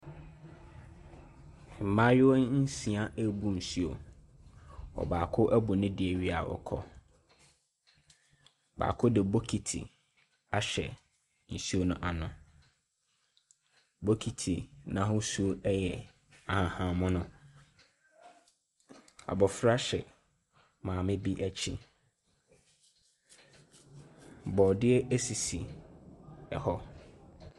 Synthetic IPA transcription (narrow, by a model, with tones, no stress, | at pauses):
m̩˨mã˦jɪ˦wɔ˦n̩˦sĩ˨a˦ʔæ˦bu˦n̩˨su˦o̰˨ | ɔ̰˨baː˨kʰʊ˦ʔæ˦bʊ˨nɪ̃˦dɪ˨ɛ˨ɥi˦a˨wɔ̰˨kʰɔ̰˦ | ba̰ː˨kʰʊ˦dɪ˨bo˦kʰi˨tʰḭ˨ | a˨ɕɛ̰˨ | n̩˨su˦o˦nʊ̃˦ʔa˨nʊ̃˨ | bo˦kʰi˨tʰi˨nã˨˦ɦʊ˦su˦o˦ʔɛ˦jɛ˨ | a˨hã˨hã˨mʊ̃˦nʊ̃˦ | a̰˨bɔ˨fɾa˦ɕɛ̰˨ | mãː˨mɪ̃˦bi˦ʔæ˨t͡ɕʰi˦ | bɔ˨dɪ˦ɛ˦ʔe˦si˨si˨ | ɛ˨hɔ˦